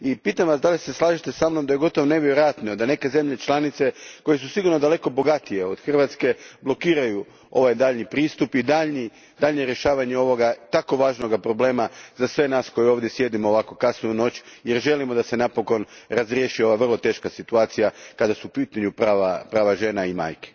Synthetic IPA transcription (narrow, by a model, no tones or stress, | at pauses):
ipiːt̪amʋasd̪alise̞slˠaːʒit̪e̞samno̞md̪aje̞ɡo̞t̪oʋoneʋjeɾɾojat̪niod̪ane̞ke̞ze̞mʎe̞t͡ʃlˠanit̪se̞ko̞je̞s̬usiɡuɾnod̪ale̞ko̞bo̞ɡat̪ije̞o̰d̪xr̩ʋat̪ske̞blˠo̞kiːɾaju | o̞̰ʋajd̪aːʎnipɾiːst̪upid̪aʎni | d̪aʎɲeɾje̞ʃaːʋaɲeo̞ʋo̞ɡat̪ako̞ʋaːʒno̞ɡapɾoble̞ːmazasʋe̞naːsko̞jeo̞ːʋd̪jesje̞d̪imoːʋako̞kasniuno̞t͡ɕjeɾʒe̞limo̞d̪ase̞napo̞ko̞nɾazɾjeʃio̞ʋaʋr̩lˠo̞t̪e̞ːʃkasit̪uaːt̪sijakad̪asuupiːt̪aɲupɾaːʋapɾaːʋaʒe̞ːnaima̰ːjke̥